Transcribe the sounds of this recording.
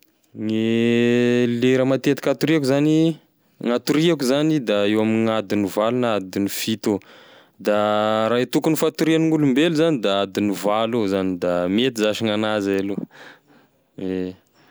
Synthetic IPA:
ŋi | leɾəmat̪et̪ikat̪uɾiakuzani | ŋat̪uɾiakuzanid̪aewamiŋad̪inivalunad̪inifit̪o | d̪aɾaɦit̪ukunifat̪uɾianiŋulumbelizanid̪aad̪inivaluzanid̪amet̪izaʃiŋanazaalo | e

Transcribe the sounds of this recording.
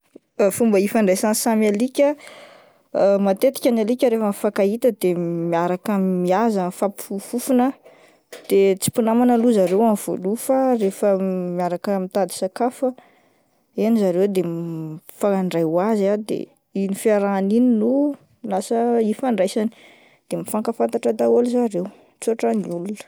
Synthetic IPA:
fumbəifaɳɖ͡ʐajsansamalikʲə | mat̪et̪i̥kʲanalikʲəɾefəmfakait̪əd̪emiaɾakəmiazafapufufunə | d̪̥et͡si̥punamanəluzaɾewamv̥o̰lufaɾefəmiaɾakəmit̪ad̪i̥sakafə | ianizaɾewd̪emfaaɳɖ͡ʐajwazad̪ḛ | inifiaɾanininu | lasəifaɳɖ͡ʐajsani̥ | d̪̥emifaŋkəfant̪aʈ͡ʂəd̪aolzaɾew | t͡suaʈ͡ʂaniulunə̥

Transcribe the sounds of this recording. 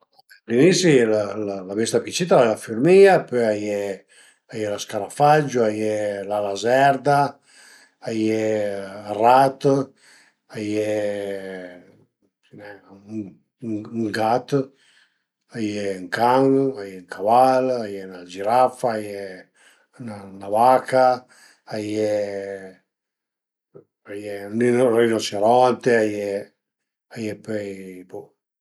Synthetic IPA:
a | linisajlallabist̪apit͡ʃit̪alafiɾmiapøajɛ | ajɛlaskaɾafad͡ʒuajɛlalazɛɾd̪aː | je | rat̪ | ajɛ | inɛ | uŋɡat̪ | ajɛŋkaŋajɛŋkʰavalajɛnad͡ʒiɾafaajɛ | nanaβakaː | jɛ | ajɛninorinot͡ʃeɾɔnt̪eajɛ | ajɛpɛjpɔ

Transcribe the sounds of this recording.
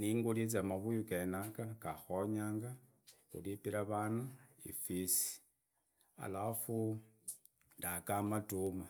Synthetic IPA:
niŋɡulet͡samaβujukenakakaxoɲaːŋɡa | xṵlipiɾaβana | ḭfisi̥ | a̰lafu | ndakamatuma

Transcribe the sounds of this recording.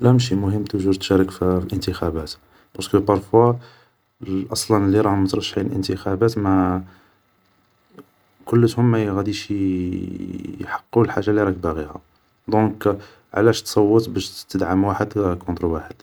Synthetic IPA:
læmʃ̬imʊɦəmːt̪ʊʒuɾt̪ʃæɾˤəkfflʔənt̪əxæbæt̪ | bɑɾˤskəpɑɾˤfwa | ʔɑsˤlɑnəlːiɾˤɑhʊmət̪ɾˤɑʃːʕiləlʔə̰nt̪əxæbæt̪mæ | kʊlːət̪hʊmːæjɣæd̪iʃ | jħɑ̥qːulħaʒːalːiɾˤɑkbæɣihæ̰ | d̪ɔ̃k | ʕlæʃt̪sˤɑwːət̪ˤbæʃt̪əd̪ʕəmwaħəd̪kɔ̃nt̪ɾwaħəd̪̥

